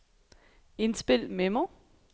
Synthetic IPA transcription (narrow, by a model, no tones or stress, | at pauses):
e̝nsb̥e̝l̰memo